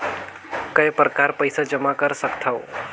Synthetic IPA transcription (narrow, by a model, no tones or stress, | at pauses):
kəjpɾəkaɾpəjsad͡ʒəmakəɾsəkt̪ʰao